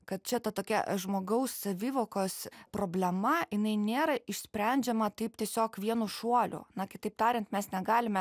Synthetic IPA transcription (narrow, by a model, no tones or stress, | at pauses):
kɐt̪̚t͡ʃʲɛt̪ɐt̪oːkʲɛ̰ʒmoːɡɐʊsːɐʋʲiːʋoːkoːspɾoːbʲlʲɛmɐjɪnɐɪnʲeːɾɐɪʃʲsʲpʲɾʲɛˑnʲd͡ʒʲɛmɐt̪ɐɪpt̪ʲiɛsʲoːkʋʲiɛnuʃuɔlʲʊ̰nɐkʲɪt̪ɐɪp̚t̪ɑːɾʲɪnt̪mʲɛsnʲɛɡɑːlʲɪmʲɛ